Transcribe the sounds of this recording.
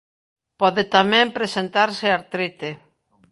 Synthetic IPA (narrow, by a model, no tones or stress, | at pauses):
pɔðɪt̪amɛ̃mpɾesent̪aɾsɪaɾt̪ɾit̪e